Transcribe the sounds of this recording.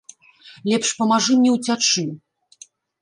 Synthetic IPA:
lʲɛpʂpɐmaʐɨmnʲɛwt͡sʲat͡ʂɨ

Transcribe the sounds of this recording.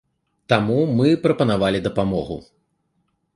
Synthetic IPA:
t̪amumɨpɾɐpɐnavalʲid̪ɐpamɔɣṵ

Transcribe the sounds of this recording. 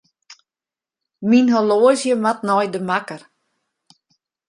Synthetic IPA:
minɦoloːəzjəmat̚nɔjdəmakər

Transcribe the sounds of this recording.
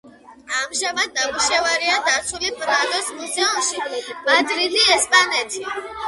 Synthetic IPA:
amʒamad̪̚ːabuʃɛvaɾiad̪at̪sʰulipʼɾad̪ɔsmuzɛumʃibad̪ɾiliɛspʼanɛt̪ʰi

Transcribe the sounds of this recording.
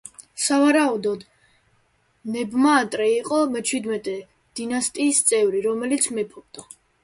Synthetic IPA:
savaɾaud̪ɔd̪ | nɛbmaːt̪ʼɾɛiqʼɔmɛt͡ʃʰwid̪mɛt̪ʼɛ | d̪̥inast̪ʼiːst̪sʼɛvɾiɾɔmɛlit̪sʰmɛpʰɔɾt̪ʼa

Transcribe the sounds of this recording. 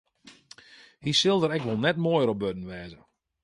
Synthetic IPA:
hisɪlˠdəɾɛkʋolˠnɛtmojəɾɔp̚bødn̩ʋɛːzə

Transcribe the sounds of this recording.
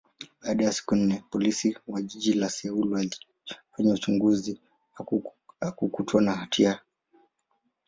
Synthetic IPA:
ɓaːɗajasi̥kun̩nɛpɔlisiwaʄiʄilasɛulwa | kwɛɲɛut͡ʃuŋɡuzi | akukutwanahatʰia

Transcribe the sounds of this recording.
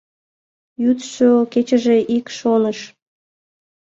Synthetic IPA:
jut̪ʃoket͡ɕəʒeʔikʃonəʃ

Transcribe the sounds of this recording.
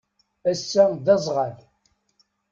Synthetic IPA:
æsːæd̪ɑzˤʁal

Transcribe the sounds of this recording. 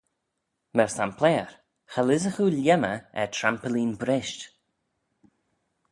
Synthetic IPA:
mɛɹsampʰlɛːɹ | xalɪzəxuːljɛməɛtʰɾampəliːnbɾɪʃt

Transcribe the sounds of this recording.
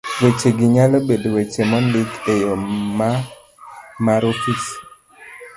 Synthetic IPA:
wet͡ʃeɡɪɲalɔbedwet͡ʃemɔndɪkejɔma | maɾofis

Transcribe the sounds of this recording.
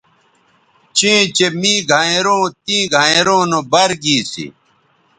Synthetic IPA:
t͡ɕẽːt͡ɕemĩːɡʱaːeɾõːt̪ĩːɡʱãːeɾõːnobɐɾɡiːsḭ

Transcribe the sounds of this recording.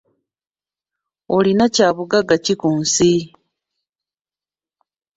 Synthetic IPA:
olinacaːβuɡaɡacikuːnsi

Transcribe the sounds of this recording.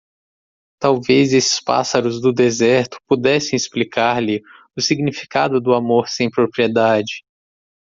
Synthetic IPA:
t̪awvezesɪ̥spa̰saɾʊzd̪ʊd̪ezɛɾt̪ʊ̥pud̪ɛsẽɪsplikaɾlɪ | ʊsiɡnifi̥kad̪ʊd̪ʊamoɾsẽj̃pɾopɾied̪ad͡ʒɪ

